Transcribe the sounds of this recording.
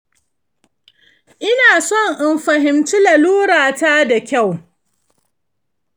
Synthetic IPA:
ʔɪ˦naː˨sɔ˦˨ŋʔɪ˨mɸɐ˨ɦɪ˨mtʊ˦la˨luː˦ɽaː˨ta˦da˨kʲa˦˨w

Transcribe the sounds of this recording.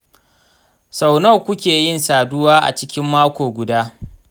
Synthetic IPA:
sa˨wnɐ˦˨kʷʊ˦kʲeː˨jɪ˦nsaː˨dʊ˦waː˦ʔa̰˨t͡ʃɪ˦kʲɪ˦mːaː˦kʷoː˨ɡʷʊ˨daː˦

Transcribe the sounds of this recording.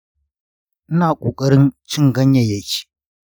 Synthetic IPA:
ʔɪ˦naː˨kʷʼoː˨kʼɐ˦ɽɪ˦nt͡ʃɪ˦ŋɡɐ˦ɲjɐ˨jɐ˦˨kʲe̥ː˨

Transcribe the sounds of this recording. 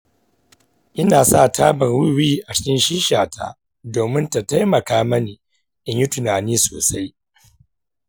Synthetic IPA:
ʔɪ˦naː˨sa̰˦˨taː˦bɐ˨rwi˦wiː˦ʔa˨t͡ʃɪ̥˦kʲɪ˦nʃiː˦ʃaː˨ta̰˦ | doː˨mɪ˦nta˨ta˦jmɐ˨kaː˦mɐ˦niː˨ | ʔɪ˨ɲjʊ˦tʊ˨naː˨niː˦soː˨sa˦j

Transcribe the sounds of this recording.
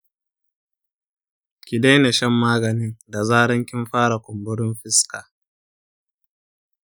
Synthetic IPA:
kʲi˨da˦jne˨ʃɐ˦mːaː˦ɡɐ˨nɪ˦ŋda˨zaː˦ɽɐ˦ŋkʲɪ˦mɸaː˦ɽa˨kʷʊ˨mbʊ˦ɽɪ˦mɸɪ˦skaː˨

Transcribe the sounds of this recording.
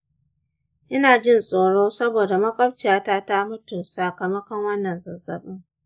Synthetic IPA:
ʔɪ˦naː˨d͡ʒɪ˦nsʼoː˨ɽoː˦sɐ˦boː˨da˨mɐ˦kʼɐ˦bt͡ʃɪ˨jaː˦ta˦ta˦mʊ˦tʊ˨nsa˨kɐ˨mɐ˦kɐ˦ŋwɐ˦nːɐ˨nzɐ˨zɐ̰˨ɓɪ˦ŋ

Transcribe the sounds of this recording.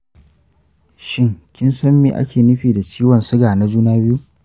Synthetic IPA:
ʃɪ˦ŋkʲɪ˦nsɐ˦mːḭː˨ʔa̰˦kʲeː˨nɪ˦ɸiː˨da˨t͡ʃiː˦wɐ˨nsʊ˦ɡaː˨na˦d͡ʒuː˦naː˦bɪ˦ju˦ʔ

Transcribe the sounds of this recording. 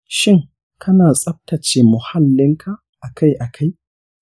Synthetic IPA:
ʃɪ˦ŋ | kʰɐ˦naː˨sʼɐ˦b̚ta˨t͡ʃeː˨mʊ˨ha˦lːɪ˦ŋkʰa˦ | ʔa˨kʰa˦jʔa˨kʰa˦j

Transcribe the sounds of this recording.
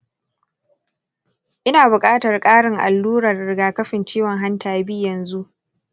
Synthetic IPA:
ʔɪ˦naː˨bʊ˨kʼaː˦tɐ˨rkʼaː˦ɽɪ˨ŋʔa̰˨lːuː˦ɾɐ˨rːɪ˨ɡaː˨kɐ˦ɸɪ˨nt͡ʃiː˦wɔ˨ŋɦa˦ntʰaː˨bi˦jɐ˨nzu˦ʔ

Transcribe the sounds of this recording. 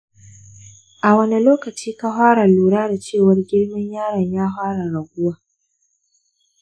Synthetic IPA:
ʔa˨wɐ˦ni˦loː˦kɐ˨t͡ʃiː˦ka˦ɦaː˦ɽa˨luː˨ɽaː˦da˨t͡ʃeː˦˨wɐ˦rɡʲɪ˦ɽmɪ˦ɲjaː˦ɽɐ˨ɲjaː˦ɦaː˦ɽa˨ɽɐ˨ɡʷʊ˦waː˦

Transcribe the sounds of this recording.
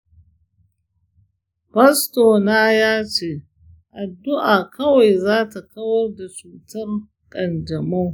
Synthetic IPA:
bɐ˦stoː˨naː˦jaː˦t͡ʃeː˦ | ʔa˨dːʊ˦ʔaː˨kɐ˦wa˨jzaː˦ta˨kɐ˦wɐ˦rda˨t͡ʃuː˨tɐ˦r | kʼɐ˨nd͡ʒɐ˨mo˦ŋ

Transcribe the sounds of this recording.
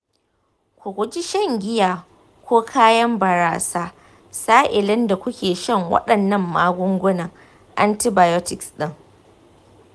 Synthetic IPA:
kʷʊ˨ɡʷʊ˦d͡ʒi˦ʃɐ˦ŋɡʲɪ˦jaː˨ | kʷoː˦kʰaː˦jɐ˦mbɐ˨ɾaː˨saː˦ | saː˦ʔɪ˨lɪ˦nda˨kʷʊ˦kʲeː˨ʃɐ˦ŋwɐ̰˦ɗɐ˨nːɐ˦mːaː˦ɡʷʊ˦ŋɡʷʊ˦nɐ˨ŋ | ʔa̰˦nti˦baː˨jɔ˦tɪ˨ksɗɪ˦ŋ

